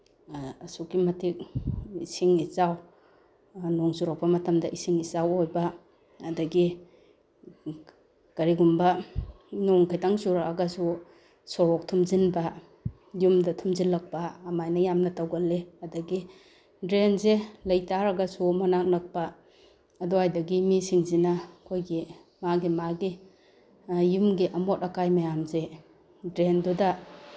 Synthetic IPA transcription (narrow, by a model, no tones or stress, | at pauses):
ɐsukimɐtʰik̚isiŋizaw | nɔŋzuɾak̚pɐmɐtɐmdɐʔisiŋizawojbɐː | dɐɡi | kɐɾiɡumbɐ | nɔŋkʰajtaŋzuɾaaɡɐsu | sɔɾɔk̚tʰumzinbɐ | jumdɐtʰumzinlɐk̚pɐːmajnɐjamnɐtawɡɐlːeɐdɐɡi | dɾenzelɐjtaɾɐɡɐsumanak̚nɐk̚pɐː | duajdɐɡimisiŋzinɐkʰojɡi | maɡimaɡi | jumɡiʔɐmotɐkajmɐjamze | dɾendudɐ